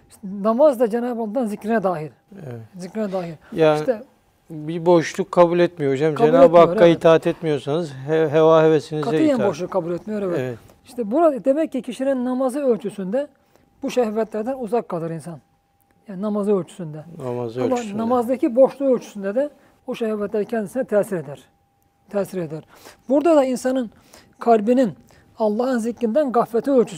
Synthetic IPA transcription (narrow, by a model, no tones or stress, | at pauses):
iʃt̪ɛnamazd̪ad͡ʒenaːbbad̪anzicɾinɛd̪aːɦiɾ | ɛzicɾinɛd̪aːɦiɾjaiʃt̪ɛ | bibo̞ʃlˠukʰːabulʲɛt̪mijod͡ʒamkd͡ʒaenabaoɾait̪ʰaːt̪ʰɛt̪mijo̞ɾsanɯzɦevaːɦevesinik̪aɯjanbo̞ʃlˠukʰːabulʲɛt̪mijo̞ɾevɛt̪ | iʃt̪ʰɛbuɾad̪emɛcːicʰiʃininːamazɯølʲt͡ʃʰysynd̪ɛ | buʃɛhvɛt̪lʲæɾd̪ænuzakːalˠɯɾinsan | jaːninamazɯølʲt͡ʃʰy̥synd̪ɛnmzulanamazd̪acʰibo̞ʃlˠuølʲt͡ʃʰy̥synd̪ɛd̪ɛ | buʃɛhvɛt̪lʲæɾcʰɛnd̪isinɛt̪ʰɛsiɾed̪æɾ̥ | t̪ʰɛːsiɾed̪æɾ | buɾd̪ad̪ainsanɯn | kʰalʲbinin | alˠːɑːhɯnziclind̪ænɡaflɛt̪ʰiølʲt͡ʃʰys